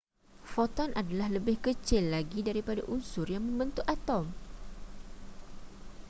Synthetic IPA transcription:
fɔt̪ɔnʔadalahləbɪhkət͡ʃɪlːaɡidaɾipada̰ʔunsʊrjaŋmə̃mbənt̪ʊʔat̪ɔm

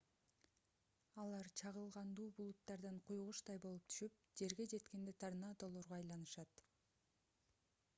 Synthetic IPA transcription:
ɑlˠɑɾt͡ʃʰɑʁɯlˠʁɑnd̪uːbulˠut̪ːɑɾd̪ɑɴqʰujʁuʃt̪ɑjbo̞lˠup̚t̪ʰy̥ʃyp̚d͡ʒe̞ɾɡe̞d͡ʒe̞t̪ke̞nd̪et̪ʰɑɾnɑːd̪o̞lˠoɾʁoɑjlˠɑnɯʃɑt̪

